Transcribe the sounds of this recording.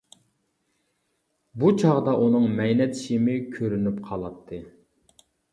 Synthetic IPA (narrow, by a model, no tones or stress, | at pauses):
but͡ʃʰɑʁd̪ɑʔunɨŋmɛjnɛt̪ʰɪ̥ʃimɪkʲʰøɾynypqʰɑlˠɑt̪ʰːɨ